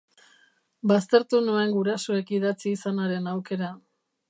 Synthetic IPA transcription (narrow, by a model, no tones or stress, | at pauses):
bast̪e̞ɾt̪unue̞ŋɡuɾasoe̞kiðat͡siːsanaɾe̞nawke̞ɾa